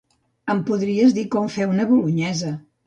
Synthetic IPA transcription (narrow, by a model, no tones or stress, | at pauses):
əmpuðɾiəzðikɔɱfɛwnəβuluɲɛzə